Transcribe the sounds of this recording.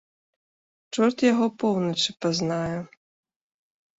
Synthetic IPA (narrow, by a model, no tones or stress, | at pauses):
t͡ʂɔrt̪jaɣɔpɔwnɐt͡ʂɨpaznajɛ